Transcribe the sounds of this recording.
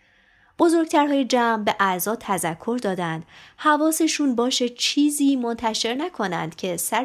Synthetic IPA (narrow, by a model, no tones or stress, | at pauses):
b̥o̞zo̞ɾɡt̪ʰæɾɦɒːjed͡ʒæːmbe̞ʔæzɒːt̪ʰæzækʰːo̞ɾd̪ɒːd̪ænd̪̥hævɒːseʃuːnbɒːʃet͡ʃʰiːziːmo̞nt̪ʰæʃe̞ɾnækʰo̞næ̰nd̪̥cʰe̞sæɾ